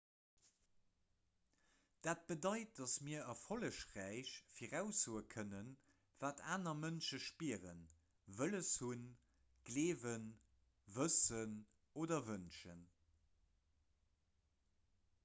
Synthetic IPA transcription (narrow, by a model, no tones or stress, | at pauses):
d̥aːt̚b̥ədɑɪt̚d̥ɑsmiɐɐfoləʃʁæɪɕfiːʁæʊsoːəkʰənən | v̥aːtʰaːnɐmənʃəʃpiʁən | vələshun | ɡ̥leːvən | vəsən | oːdɐvənʃən